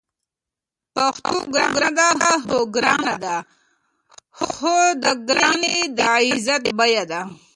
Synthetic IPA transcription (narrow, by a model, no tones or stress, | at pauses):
paxt̪ṵɡɾaɡɾad̪aɦaɦoɡɾadad̪a | hxod̪əɡnid̪aizat̪bajad̪a